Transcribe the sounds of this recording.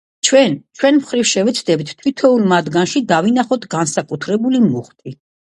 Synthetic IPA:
t͡ʃʰwɛnt͡ʃʰwɛnmχɾifʃɛvɛt̪sʰd̪ɛbit̪ʰt̪ʰwit̪ʰɔulmad̪ɡanʃid̪avinaχɔt̪ʰɡansakʼut̪ʰɾɛbulimuχt̪ʼi

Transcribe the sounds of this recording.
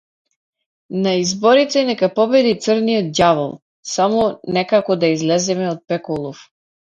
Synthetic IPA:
naizbɔɾit̪ɛnɛkapɔbɛd̪it̪səɾnijɔd̪̚d̪java̰lˠ | samɔnɛkakɔd̪aizlɛzɛmɛɔt̪̚pɛkɔlˠɔf

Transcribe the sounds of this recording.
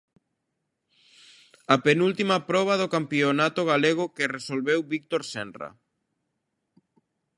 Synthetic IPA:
ɐpenult̪imɐpɾɔβ̞ɐðokampionat̪oɣaleɣ̞ʊkɪresolβewβik̚t̪oɾsɛnrɐ̰

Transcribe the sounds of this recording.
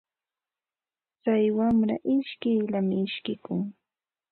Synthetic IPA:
t͡sajwamɾa̰ʔɪʃkɪjlamɪɪʃkɪkʊŋ

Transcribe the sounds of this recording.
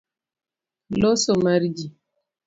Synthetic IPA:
lɔsomaɾd͡ʒi

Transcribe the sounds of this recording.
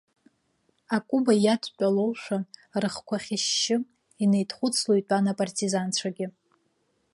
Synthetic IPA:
akʼubajatʷʼt͡pʷʼalowʂʷarɨχkʷʰaχʲɪʃːɪ | ine̞jtʰʼχʷʊt͡sʰlojtʷʼanapʼartʼizant͡ɕʷʰaɡʲɪ

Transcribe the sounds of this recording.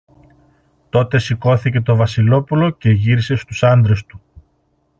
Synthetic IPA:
t̪o̞t̪e̞siko̞θice̞t̪o̞vɐsilo̞pulo̞ce̞ʝiɾise̞st̪usɐnd̪ɾe̞st̪u

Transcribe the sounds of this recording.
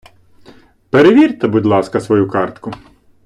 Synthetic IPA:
peɾeʋʲirt̪ɛbud̪ʲlˠɑskɐsʋɔjukɑrt̪kʊ

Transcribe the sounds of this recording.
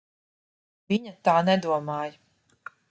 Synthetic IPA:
vʲiɲat̪aːnɛd̪uɔmaːj

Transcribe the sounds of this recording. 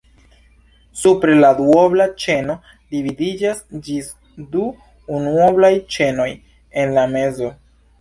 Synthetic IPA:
supɾe̞laduoblat͡ʃe̞no̞ | dividid͡ʒasd͡ʒis | duː | nuoblajt͡ʃe̞no̞j | e̞nlame̞zo̞

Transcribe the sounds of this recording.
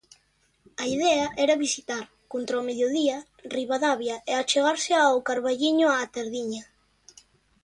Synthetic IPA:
aiðɛaʔɛɾaβisit̪aɾ | kont̪ɾaomeðjoðiɐ | riβaðaβjaeat͡ʃeɣaɾsɪawkaɾβaʎiɲʊat̪eɾðiɲa

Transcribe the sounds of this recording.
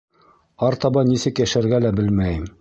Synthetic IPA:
ɑɾt̪ɑbɑnisɘkjæʃæɾɡælæbɘlmæjɘm

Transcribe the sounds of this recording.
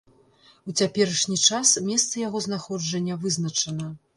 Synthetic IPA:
ut͡sʲapʲɛɾɐʂnʲit͡ʂasmʲɛst̪sɐjaɣɔznaxɔd͡ʐɐnʲːɐvɨznɐt͡ʂɐnɐ

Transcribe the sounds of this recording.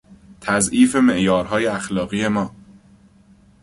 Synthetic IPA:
t̪ʰæzʔiːfe̞me̞ʔjɒːɾɦɒːjeæxlɒːɣiːe̞mɒː

